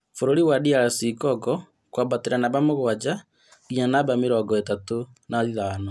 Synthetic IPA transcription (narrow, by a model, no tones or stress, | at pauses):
foɾoɾiwaɗiaɾasikɔkɔ | kwabateɾanaβamoɣoad͡ʒa | ɣiɲanaβameɾɔɡɔetato | naðiðaano